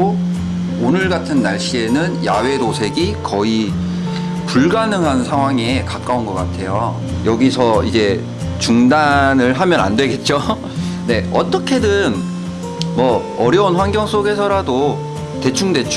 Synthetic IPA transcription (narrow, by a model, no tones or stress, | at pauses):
o | onɯɭɡatʰɯnːaɭɕ͈ie̞nɯnjawe̞dosʰe̞ɡikʌi | puɭɡanɯŋɦansʰaŋɦwaŋe̞kak̚k͈aunɡʌk͈atʰe̞jo | jʌɡisʰʌid͡ʑe̞ | t͡ɕuŋdanɯɭɦamjʌna̰ndwe̞ɡe̞t̚t͡ɕ͈o | ne̞ʌt͈ʌkʰe̞dɯn | mʌː | ɾjʌunɸwanɡjʌŋs͈oɡe̞sʰʌɾado | te̞t͡ɕʰuŋde̞t͡ɕʰ